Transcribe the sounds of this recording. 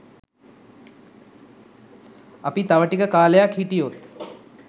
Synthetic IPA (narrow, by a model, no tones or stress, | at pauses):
apit̪aʋəʈikəkaːləjakhiʈijot̪